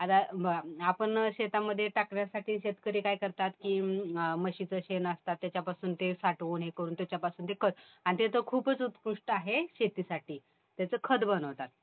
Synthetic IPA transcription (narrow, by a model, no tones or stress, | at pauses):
at̪abəɡaapəɳɕet̪aməd̪ʱːjeʈakɳjasaʈiːɕet̪kəɾiːkajkəɾt̪at̪kiːməɕit͡səːɕenəst̪at̪ːjat͡ɕjapasuːnt̪esaʈʋuːnɦekəɾuːnt̪jat͡ɕjapasuːnt̪ekʰəd̪ | anit̪et̪əkʰuːpət͡sut̪puʂʈaɦeɕet̪iːsaʈiː | t̪jat͡səːkʰəd̪bənəʋt̪at̪̚